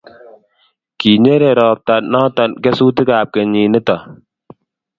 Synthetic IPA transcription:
ki˨ɲe˦ɾe˨ɾɔː˨p̚ta˨nɔ˦tɔ˨nkɛ˦suː˦t̬ɪ˦kaː˨p̚ke˨ɲi˨nɪ˦tɔ˨

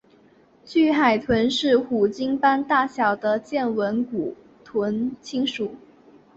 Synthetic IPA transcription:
t͡ɕy˥˩xa˨˩ɪt̪ʰwə˧˥nʂɻ̩˥˩xu˨˩t͡ɕi˥ŋpa˥nt̪a˥˩ɕjɑ˨˩ʊd̪ə˦t͡ɕjɛ˥˩nwə˧˥nku˨˩ | t̪ʰwə˧˥nt͡ɕʰi˥ŋʂu˨˩˦

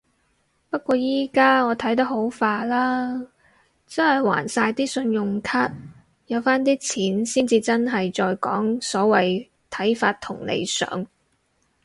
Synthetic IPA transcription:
pɐ˥t̚kʷɔː˧jiː˥kaː˥ŋɔː˨˧t̪ʰɐ˨˥jt̪ɐ˥k̚ho˨˥wfaː˨˧laː˥ | t͡sɐ˥nhɐ˨jwa̰ː˨˩nsaː˧jt̪iː˥sɵ˧njʊ˨ŋkʰaː˥t̚ | jɐ˨˧wfaː˥nt̪̬iː˥t͡sʰiː˨˥nsiː˥nt͡siː˧t͡sɐ˥nɦɐ˨jt͡ʃɔː˧jkɔ̰ː˨˥ŋsɔː˨˥wɐ˨j | t̪ʰɐ˨˥jfaː˧t̚t̪ʰʊ˨˩ŋlḛ˨˧jsœ̰ː˨˥ŋ

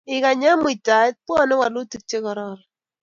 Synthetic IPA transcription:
ɪ˨ka˨ɲa˦mu˦˨i˨ta˨ɪ˦t̚pwɔ˦nɪ˦wa˨lo˦ti˨k̚t͡ʃe˦kɔ˨ɾɔ˦ɾ

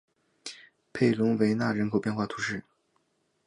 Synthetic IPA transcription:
pʰe˥˩ɪlʊ˧˥ŋwe˧˥ɪna˥˩ɻə˧˥nkʰo˨˩ʊpjɛ˥˧nxwa˥˩t̪ʰu˧˥ʂɻ̩˥˩

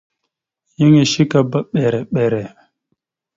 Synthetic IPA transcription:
ji˦ŋi˨ʃi˦ka˨ba˨ɓɛ˨ɾɛ˨ɓɛ˨ɾɛ˨

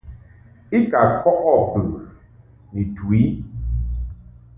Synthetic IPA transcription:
i˦ka˨kwɔ˦ʔɔ˦˨pɨ˨ | ni˨twi˨˦

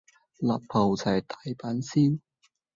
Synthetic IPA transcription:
lɐ˨˩p̚pʰɐ˨˩wt͡sʰɐ˨˩jt̪aː˨jpaː˨˥nsiː˥n

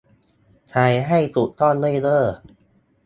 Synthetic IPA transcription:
t͡ɕʰa˧jɦa˥˩jt̪u˨˩ʔt̪ɔː˥˩nlɯ˥˩lɤː˥˩

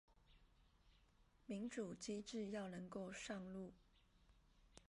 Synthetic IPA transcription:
mi˧˥ŋʈ͡ʂu˨˩t͡ɕi˥ʈ͡ʂɻ̩˥˧jɑ˥˩ʊnɤ˧˥ŋko˥˧ʊʂɑ˥˧ŋlu˥˩

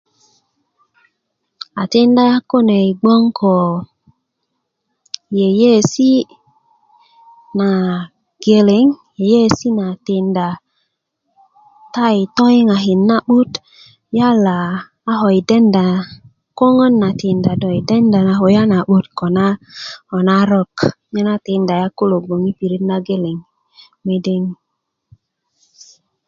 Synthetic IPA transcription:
a˨te˦nda˦ja˦ko˦ne˨jɡ͡bo˦ŋkʰo˨ | je˨je˦˨si˦ | na˨ | ɡ̥e˨le˨˦ŋje˨je˦si˦na˨te˨nda˨ | ta˦jto˦jŋa˨ɦi˨nːa˦ɓu˦t | ja˦laː˨˦ | ɦo˨jde˦nda˨ | ko˦ŋo˦nːa˨ti˨nda˨do˨i˨de˦nda˨na˨ɦo˨ja˦na˨ɓu˦tko˨na˦o˨na˦ɾɔ˦k | ɲe˦na˦te˨nda˨ja˦ko˦lo˨ɡ͡bo˨ŋi˦pi˨ɾi˦tna˦ɡe˦le˨ŋ | me˦de˦ŋ

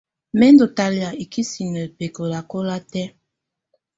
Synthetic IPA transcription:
mɛ˦ndo˨ta˨li˨a˨i˨ki˦si˨nɛ˨pe˨ko˨la˨ko˦la˦tɛ˦

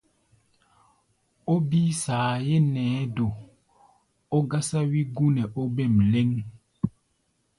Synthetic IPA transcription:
o˦bi˦saː˨je˦nɛː˨˦do˨ | o˦ɡa˦sa˦wi˦ɡu˦nɛ˨ʔo˦bɛ˦˨mle˦ŋ

